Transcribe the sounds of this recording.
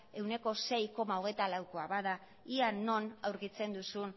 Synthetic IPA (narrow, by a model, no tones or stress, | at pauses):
e̞wne̞ko̞se̞jko̞mao̞ɣ̞e̞jt̪alawkoaβaða | iano̞nawɾkit͡se̞nd̪usun